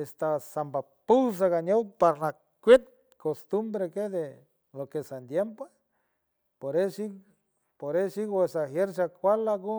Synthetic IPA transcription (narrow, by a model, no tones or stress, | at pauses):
est̪asamba | pus̬aɣanopaɾna | kʷet̪̚ | kost̪umbɾeked̪e | lokesand̪jempe | poɾesi | poɾesiɣesaxjeɾʃakʷalaɣo